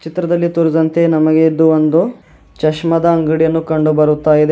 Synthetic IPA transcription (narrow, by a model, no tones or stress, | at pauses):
t͡ʃit̪ɾɐd̪ɐlːit̪uɾud̪ɐnt̪e̞nɐmɐɡeːd̪ːuond̪u | t͡ʃɐʃmɐd̪ɐːŋɡɐɽijɐnːukɐɳɖubɐɾut̪ːaːjid̪e